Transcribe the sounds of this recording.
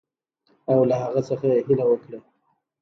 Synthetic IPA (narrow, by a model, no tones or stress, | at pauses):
awlaɦaɣət͡səxaeɦilawəkɽa